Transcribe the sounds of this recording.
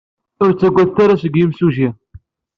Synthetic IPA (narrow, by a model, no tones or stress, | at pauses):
ʊɾt͡sːæɡʷːæðt̪aɾasəɡjimsuʒiɾ